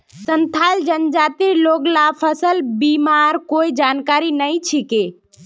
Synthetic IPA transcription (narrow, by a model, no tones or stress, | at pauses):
sənt̪ʰajld͡ʒənd͡ʒat̪iloɡlapʰəsəlbimaɾkoid͡ʒankaɾinəjt͡ʃʰike